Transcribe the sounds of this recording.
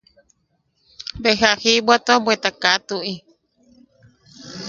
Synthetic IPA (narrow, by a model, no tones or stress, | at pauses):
beɦahibwat̪obwet̪akat̪uʔi